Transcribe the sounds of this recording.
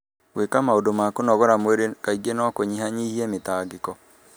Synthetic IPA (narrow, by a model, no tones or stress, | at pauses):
wekamaodomakonɔɣɔɾamweɾekaiɣenɔkoɲihaɲihiɛmetaːɡekɔ